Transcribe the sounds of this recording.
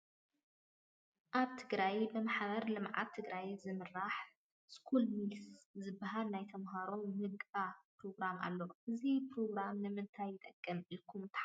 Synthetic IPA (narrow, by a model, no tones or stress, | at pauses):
ʔaβt̪ʰɨɡɾajbɨmaħβɐɾlɨmʕa̰tt̪ʰːɨɡɾajzɨmɨɾːaħ | skʰulmilszɨbːɐɦalnajt̪ʰɐmɦaɾo̞mmɨɡapɾo̞ɡɾama̰lːoʔɨzipɾo̞ɡɾamnɨmɨnt̪ʰajːɪt̪ʼɐkʼːɐmikʰːumt̪ʰħa